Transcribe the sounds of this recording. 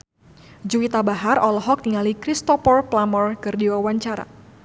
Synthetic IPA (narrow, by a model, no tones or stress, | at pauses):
d͡ʒuwit̪abaɦarɔlɔɦɔk̚niŋalikɾist̪ɔpɔrplamɔrkɨrdiwawaɲt͡ʃaɾa̰